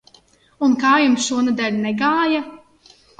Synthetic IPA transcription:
unkaːjumsʃuɔnɛd̪alʲnɛɡaːja

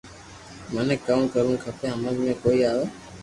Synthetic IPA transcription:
mənekːəmkəɾũkʰəpeːɦəməlmẽːkoːiːaːʋeː

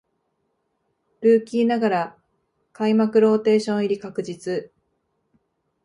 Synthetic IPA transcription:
ɾɯ̟ːkʲiːnaɡaɾa | kaimakɯ̟ɾo̞ːt̪e̞ːɕõɰ̃iɾʲikakɯ̟d͡ʑit͡sɨ

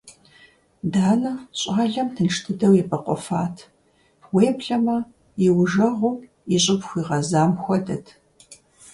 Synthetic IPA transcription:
daːnɐɕʼaːɮɐmtʰɨnʂtʰɨdɐwjɛpʰʼɐqʷɔ̰faːtʰ | weːpɬɐmɐ | jɪwʒɐʁʷʊm | iɕʼɪpxʷiːʁɐzaːmxʷɔdɐtʰ

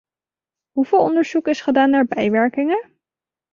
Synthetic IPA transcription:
ɦuv̥ɪːlˠɔndəɹz̥ukɪsχədaːnːaːɹbɛjʋɛɹkɪŋə

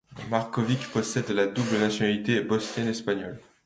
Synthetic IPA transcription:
maʁkɔvikpɔsɛd̪lad̪ublnasjɔnalit̪ebɔsnɛnɛspaɲɔl

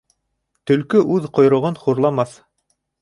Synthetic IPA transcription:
t̪ɵ̆lkɵʔʉðqŏjɾŏʁɤnχuɾlˠɑmɑθ

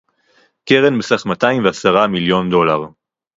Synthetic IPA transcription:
keʁenbesaχmat̪aimveasaʁamiljo̞nd̪o̞laʁ

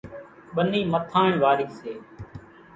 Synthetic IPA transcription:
ɓəniːmət̪ʰaːɳʋaːɾiːseː

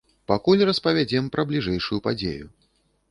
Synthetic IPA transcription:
pakulʲrɐspɐvʲad͡zʲɛmpɾɐblʲiʐɛjʂujupad͡zʲḛjṵ

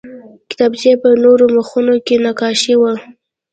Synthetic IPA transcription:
kɪ̥t̪ɑbzepənoɾoməxunokenakɑʃiwə

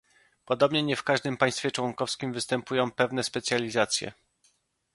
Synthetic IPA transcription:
pɔd̪ɔbɲɛɲɛfkaʐd̪ɘmpaj̃st̪fʲɛt͡ʂwɔŋkɔfskʲimvɘst̪ɛmpujɔ̃w̃pɛvnɛspɛt̪sʲjalʲizat̪sʲjɛ̰

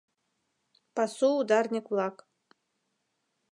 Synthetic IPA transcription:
pasuːd̪arnʲikʼlˠakʼ

